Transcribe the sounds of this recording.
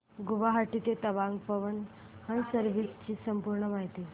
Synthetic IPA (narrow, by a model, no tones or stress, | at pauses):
ɡuʋaɦaʈit̪et̪əʋãŋɡpəʋən | hənsəɾʋist͡ɕiːsəmpuɾɳəmaɦit̪i